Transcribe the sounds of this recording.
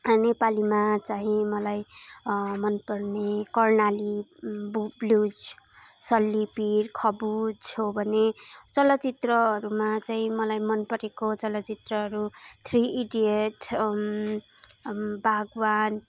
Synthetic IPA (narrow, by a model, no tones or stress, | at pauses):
nepalimat͡saɦĩmʌlaj | mʌnpʌrnekʌrnalibublud͡z | sʌlːipirkʰʌbut͡sʰobʱʌnet͡sʌlʌt͡sit̪rʌʌɾumat͡saɦĩmʌlajmʌnpʌɾekot͡sʌlʌt͡sit̪rʌɦʌɾut̪ʰriiɖieʈ | bʱaɡwan